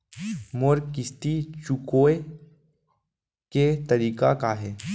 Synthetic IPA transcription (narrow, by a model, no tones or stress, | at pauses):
moɾkɪst̪it͡ʃukoːe | ket̪ɐɾiːkakaɦɛː